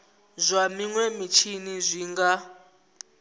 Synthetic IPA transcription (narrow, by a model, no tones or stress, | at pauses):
zʷamiŋwɛmit͡ʃʰinizʷiːŋɡa